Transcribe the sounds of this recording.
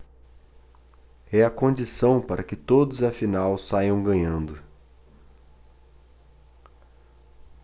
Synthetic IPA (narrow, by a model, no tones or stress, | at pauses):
ɛɐkõnd͡ʒisɐ̃w̃paɾʔɐkɪt̪od̪ʊzɐfinawsajɐ̃w̃ɡɐ̃ɲɐ̃nd̪ʊ